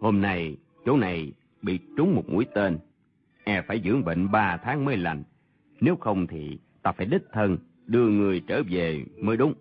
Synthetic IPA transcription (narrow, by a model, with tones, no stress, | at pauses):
ho˧mna˧j | t͡ɕo˨˦na˨˩j | ɓḭ˧˨t͡ɕʊ˨˦ŋ͡mmo˨˩t̚mṵ˨˦əjt̪e˧n | ʔɛ˧faː˧˩jzɨ̰˧˥əŋɓə̰˧˨ŋɓaː˧t̪ʰaː˨˦ŋməː˨˦jla˨˩jŋ | ne˨˦wxə˧wŋ͡mt̪ʰi˨˩ | t̪aː˧faː˧˩jɗi˦˥t̚t̪ʰə˧n | ɗɨ˧əŋɨ˨˩əjt͡ɕəː˧˩ve˨˩məː˨˦jɗʊ˨˦ŋ͡m